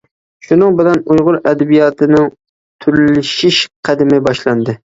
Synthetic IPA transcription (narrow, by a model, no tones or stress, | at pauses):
ʃʊnɪŋbɪlanʊjʁʊɾad̪abijɒt̪ʰɪnɪŋ | t̪ʰʊɾllɪʃɪʃqʰɑd̪ɪmɪbɒʃland̪ɪ